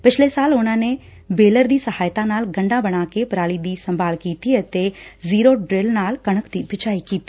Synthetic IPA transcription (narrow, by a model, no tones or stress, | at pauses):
pɪt͡ʃʰlesaːlʊnãːne | beːləɾd̪iːsɐhaːjt̪ãnaːlɡə̃ɳɖãːbɐɽ̃aːkepɾaːlid̪iːsɐ̃mbʱaːlkiːt̪iət̪eziːɾoɖɾeːlnaːlkɐɽ̃əkd̪iːbʱɪt͡ʃaːikiːt̪ː